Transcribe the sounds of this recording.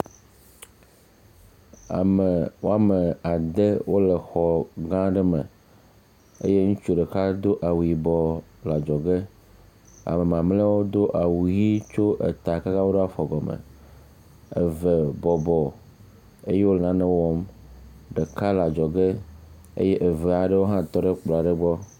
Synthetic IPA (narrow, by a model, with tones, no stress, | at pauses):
a̰˨mə˨wo˦a˦me˨a˨d̪e˦wo˦lɛ˨xɔ˨ɡã˦ɖɛ˦mə̰̃˨ | ḛ˦je˦ŋũ˦t͡ʃu˦ɖe˨ka˦d̪o˦ʔa˨wu˨ji˨bɔ˨la˨d͡ʒɔ˨ɡe˦ | a̰˨mɛ˨mã˨mlɛ˦wo˦d̪o˦ʔa˨wu˨ji˦t͡ʃo˦ʔe˨t̪a˨ka˦ka˦wo˦ɖe˦a˦fɔ˨ɡɔ˨mḛ˨ | ḛ˨ve˨bɔ˨bɔ˨ | e˦je˦wo˦nã˨nɛ̃˦wɔ˨m | ɖe˨ka˦la˨d͡ʒɔ˨ɡe˦ | ḛ˦je˦ʔe˨ve˨a˨ɖe˦wo˦ɦã˦t̪ɔ˦ɖe˦k͡pla˨ɖe˦ɡ͡bɔ˦